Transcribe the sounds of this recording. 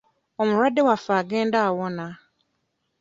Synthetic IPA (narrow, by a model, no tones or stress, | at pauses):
ɔmʊ̃ɾadɪwafaɡɛndaawɔnã